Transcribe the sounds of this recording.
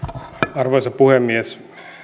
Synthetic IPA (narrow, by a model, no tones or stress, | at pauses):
ɑrʋojsɑpuhemːies